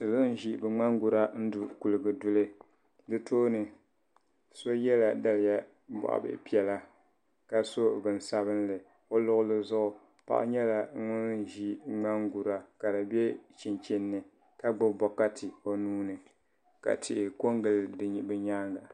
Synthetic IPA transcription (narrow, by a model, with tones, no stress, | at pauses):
ɨ˨zʊ˦n˦ʒi˦bɨ˨ŋ͡ma˦ŋɡu˨ɾa˦n̩˦du˨ku˨lɨ˨ɡɨ˨dʊ˦lɨ˦ | dɨ˦tʰoː˦nɨ˨ | so˦jɛ˦la˨da˨lɪ˨ja˦ | bɔ̰˨ʔa̰˨bɨ̰˨pi˦ɛ˨la˦ | ka˨so˦˨bɨ˨n˨sa˦βɨ˦n˦lɨ˨ | o˦lʊ˦ɣʊ˦lɨ˦zʊ˦ʔʊ˨ | pa̰˦ʔa̰˦ɲɛ˦la˨˦ŋʊ˦n˦ʒi˦ŋ͡ma˦ŋɡu˨ɾa˦ka˨dɨ˨bɛ˦t͡ʃi˨nt͡ʃi˦nːɨ˨ | ka˦ɡ͡bʊ˦bɔ˨ka˦tʰɨ˨o˨nuː˦nɨ˨ | ka̰˨tʰɪ˨ʔɪ˨ko˦ŋɡɨ˨lbɨ˦ɲaː˦ŋɡa˨